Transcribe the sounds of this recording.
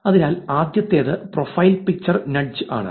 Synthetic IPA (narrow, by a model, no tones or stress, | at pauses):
ɐðinaːlaːd̪jɐt̪ːe̞ːðɨprofɐjlpik̚t͡ɕːɐrnɐɖ̚d͡ʑɨa̰ːɳɨ̰